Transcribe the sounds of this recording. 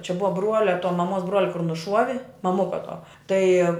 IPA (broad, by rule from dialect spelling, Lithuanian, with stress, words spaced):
t͡ʃʲɛ ˈbʊʋɐ ˈbruɔlʲɛ toː mɐˈmuɔs ˈbruɔlʲɛ kʊr nʊˈʃuɔʋʲɪ mɐˈmʊkɐ tuɔ ˈtɐɪ